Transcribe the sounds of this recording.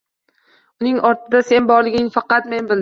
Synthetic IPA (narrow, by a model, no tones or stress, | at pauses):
ʊnɪŋɒɾt̪ʰɪd̪ase̞nbɒɾlˠɪɡʲɪŋfɑqɑt̪me̞nbɪl